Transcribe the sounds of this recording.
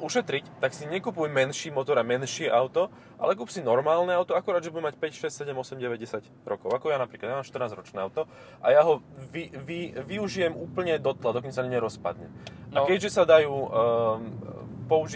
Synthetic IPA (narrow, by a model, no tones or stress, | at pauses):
uʃɛt̪ɾict̪aksiɲɛkupujmɛnʃiːmɔt̪ɔɾamɛnʃɪɛʔaʊt̪ɔ | ʔa̰lɛkuːpsinɔɾmaːlnɛaʊt̪ɔakuɾaːd̪ʒɛbudɛmacpɛcʃɛsʲsɛɟɛmɔsɛmɟɛʋɛɟɟɛsaɟ | ɾɔkɔʊakɔjanapɾiːklad̪jamaːmʃt̪rnaːzɾɔt͡ʃnɛːaʊt̪ɔ | ʔa̰jaɦɔʋiʋiʋiuʒijɛmuːpl̩ɲɛd̪ɔt̪lad̪ɔkɔnsaɲɲɛɾɔspa̰d̪ɲɛ̰akɛɟʒɛsad̪ajuː | pɔuʒi